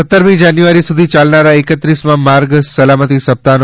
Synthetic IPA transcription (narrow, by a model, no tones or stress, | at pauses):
ət̪ːəɾmĩd͡ʒanjuʋaɾisud̪ʱit͡ʃalnaɾaɪkət̪ɾismãmaɾɡsəlamət̪isəp̚t̪an